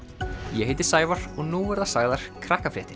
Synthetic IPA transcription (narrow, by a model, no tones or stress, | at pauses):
jɛheːjt̪ɪ̥saːjvaɾ̥ɔɣnuɛɾðasaɣðaɾ̥kʰɾahkafɾɛːht̪ɪɾ̥